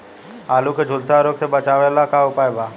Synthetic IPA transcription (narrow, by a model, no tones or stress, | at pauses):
aːluːkʰed͡ʒʱʊlsaːɾoːksebət͡ʃaːʋeːlaːkaːʊpaːebʱaː